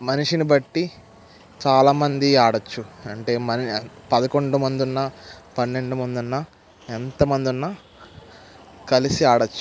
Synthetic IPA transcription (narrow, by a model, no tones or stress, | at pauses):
mɐniʂinibɐʈːi | t͡ʃaːlaːmɐnd̪iaːɽɐt͡ʃːuɐɳʈe̞ːmɐnpɐd̪ɐko̞ɳɖumɐnd̪unːɐpɐnːe̞ɳɖumɐnd̪unːɐ | ent̪ɐmɐnd̪unːɐ | kɐlisiaːɽɐt͡ʃːu̥